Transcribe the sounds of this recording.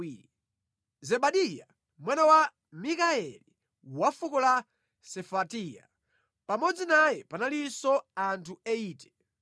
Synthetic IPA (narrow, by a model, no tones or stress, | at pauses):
zɛɓaɗija | mwɛnawa | mikaɛli | wafukɔla | sɛfatija̰ | pamɔd͡zinajɛpanalisɔantʰuɛiːtɛ̥